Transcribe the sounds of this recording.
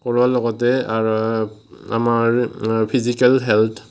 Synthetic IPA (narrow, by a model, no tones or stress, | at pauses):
kɔɹwalɔɡɔtɛaɹ | a̰maɹpʰizikalɦɛltʰ